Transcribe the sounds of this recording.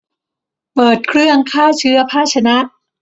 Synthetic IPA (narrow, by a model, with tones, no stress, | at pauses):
pɤː˨˩t̪̚kʰɾɯ˥˩əŋkʰaː˥˩t͡ɕʰɯ˦˥ɐpʰaː˥˩t͡ɕʰa˧na˦˥ʔ